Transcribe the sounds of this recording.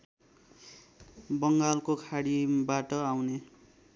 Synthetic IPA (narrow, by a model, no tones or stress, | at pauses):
bʌŋɡalkokʰaɽibaʈʌawne